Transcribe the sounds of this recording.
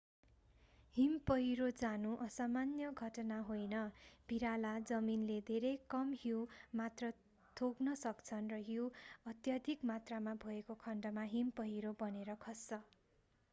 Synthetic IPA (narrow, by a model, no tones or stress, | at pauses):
himpʌɦiɾod͡zanuʔʌsamanjʌɡʱʌʈʌnaɦojnʌb̥ʱiɾalad͡zʌminled̪ʱeɾʌjkʌmɦiwmat̪rʌ | t̪ʰoɡnʌsʌkt͡sʰʌnrʌɦiwʌt̪jʌd̪ʱikmat̪ramabʱʌekokʰʌɳɖʌmaɦimpʌɦiɾobʌneɾʌkʰʌst͡sʌ